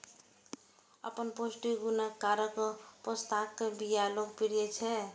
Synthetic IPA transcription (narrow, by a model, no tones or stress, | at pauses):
ə̰pənposʈiɡunakːaɾəkɔpost̪akkebijaloɡ̚piɽijet͡ʃʰɛ